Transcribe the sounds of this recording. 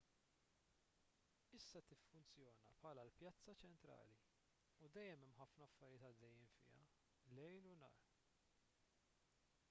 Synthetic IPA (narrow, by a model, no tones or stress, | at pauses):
ɪsːɐt̪ɪfːʊnt͡sjɔːnɐpħɐlɐlpjɐt͡sːɐt͡ʃɛnt̪ɾɐ̰ːli | ud̪ɛjːɛmɛmːħɐfnɐɐfːɐɾɪjɪːt̪ɐd̪ːɛjːɪmfɪ̰ːɐ̰ | lɛjlʊnɐ̰ːɾ